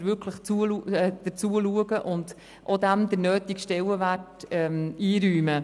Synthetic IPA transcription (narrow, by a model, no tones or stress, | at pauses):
ɾvʏɾkʰləχt͡suəluɛːd̪̥ət͡suəluəɡəʔʊnd | ʔod̪æmd̥̪əɾnøːtikʃtɛləvætɛmiːɾyːmə